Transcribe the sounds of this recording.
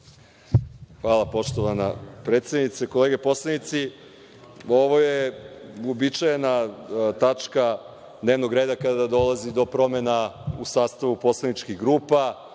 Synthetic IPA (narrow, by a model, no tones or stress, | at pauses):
xʋaːlˠapo̞ʃt̪oʋanapɾet̪sjed̪nit̪seko̞leːɡe̞po̞slˠanit̪si | o̞ʋo̞jeobit͡ʃajenat̪at͡ʃka | d̪ne̞ːʋno̞ɡɾeːd̪akad̪ad̪o̞lˠazid̪o̞pɾo̞menausaːst̪aʋupo̞slˠanit͡ʃkiɣɡɾuːpa